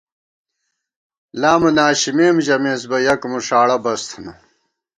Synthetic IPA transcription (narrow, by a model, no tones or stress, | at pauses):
laːmɐnaːɕimeːmʑɐmeːs̬bɐjɐkmuʂaːɽɐbɐst̪ʰɐnɐ